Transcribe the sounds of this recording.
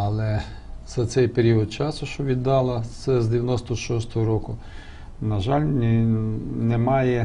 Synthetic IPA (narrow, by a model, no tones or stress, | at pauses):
ɐlˠɛ | z̥ɐt̪sɛjpeɾʲiɔd̪̚t͡ʃɑsʊʃt͡ʃɔʋʲid̪ːɑlˠɐt̪sɛzd̪eʋʲjɐnɔst̪ɔʃɔst̪ɔɦɔɾɔkʊ | nɐʒɑlʲnʲ | nemɑjɛ